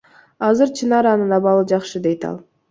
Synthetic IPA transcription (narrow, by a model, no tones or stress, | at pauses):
ɑzɯɾt͡ʃʰinɑɾɑnɯnɑbɑlˠɯd͡ʒɑχʃɨd̪e̞jt̪ɑ̰lˠ